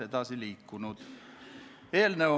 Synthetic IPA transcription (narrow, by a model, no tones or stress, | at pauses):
ed̪ɑsiliːkːunud̪̥ | eːlneo